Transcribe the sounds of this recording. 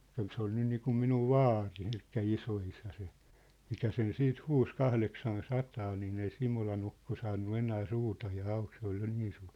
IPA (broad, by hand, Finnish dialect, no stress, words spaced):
kyl se oli niːkum minuʋ ʋɑːri elikːæ isoisæ se mikæ sen siːt huːs kɑhleksɑn sɑtɑː niːn ei simolɑn ukːo sɑːnːu enæː suːtɑjɑː ɑuk se ol jo niːn suːr